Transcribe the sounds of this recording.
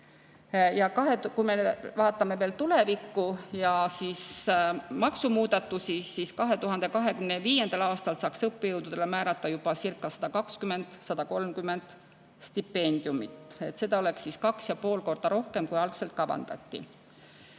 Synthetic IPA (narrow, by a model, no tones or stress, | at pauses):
jɑkɑɦekujmevɑːt̪ːˑɑme̞ve̞ːlt̪ule̞vikːujɑsis | mɑksumuːd̪ɑt̪ːusisiskɑɦe̞t̪uɦɑnd̪̥e̞kɑɦe̞kymneviːje̞nd̪̥ɑlɑːst̪ɑlsɑːksɤpːejɤwd̪̥ud̪̥e̞lemæːɾɑt̪ːˑɑjub̥ɑsirkːˑɑsɑ̥d̪̥ɑkɑkskyme̞nd̪̥sɑd̪̥ɑko̞lmkymːe̞nd̪̥ | st̪ipːe̞nʲd̪̥ijumit̪et̪se̞d̪̥ɑo̞le̞ksiskɑksjɑpo̞ːlko̞rd̪̥ɑɾo̞hke̞mkujɑlɡse̞lt̪̚kɑbɑ̰nd̪̥ɑ̰t̪ːḭ